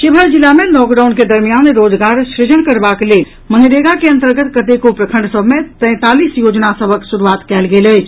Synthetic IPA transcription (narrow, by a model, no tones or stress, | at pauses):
ʃibʱəɾd͡ʒilamelɔkɖaʊnked̪əɾmijanɾoːd͡ʒɡaɾʃɾɪd͡ʒəɳkəɾbakelel | mənd̪ɾeɡakeə̃nt̪əɾɡət̪kət̪ekopɾəkʰə̃ɳɖsəbʱmet̪ɛ̃ɪ̃t̪alisjoːd͡ʒnasəbʱəksuɾuaːt̪kɛːlɡeːlət͡ʃʰ